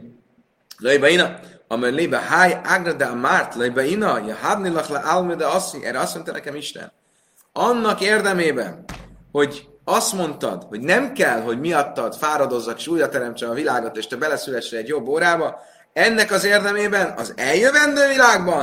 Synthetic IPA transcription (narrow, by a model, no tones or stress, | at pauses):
løjbɒinɒɒmøɾlebɛɦajaɡnɛd̪amart̪løjbɛinɒjɒɦad̪nilɒχlʔalmed̪ɛɒsiʔɛ̰ːɾɛɒst̪mo̞nt̪ɒnɛ̰kɛmiʃt̪ɛ̰n | ɒnːɒkeːrd̪ɛmeːbɛ̰nho̞ɟ | ɒst̪mo̞nt̪ɒ̰d̪ho̞ɟnɛmkɛlɦo̞ɟmiɒt̪ːɒd̪̥faːɾɒd̪o̞zːɒkeːʃuːjɾɒt̪ɛɾɛmt͡ʃɛmɒvilaːɡo̞t̪eːʃt̪ɛbɛlɛsylɛʃrɛɛɟjobːoːɾaːbɒ | ɛnːɛkɒzeːrd̪ɛmeːbɛnɒ̰zɛljøvɛnd̪øːvilaːɡbɒn